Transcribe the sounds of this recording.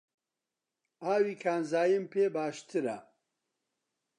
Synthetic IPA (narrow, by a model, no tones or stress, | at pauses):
aːwiːkʰaːnzaːjɨmpʰeːbaːʃt̪ʰɨɾɐ̰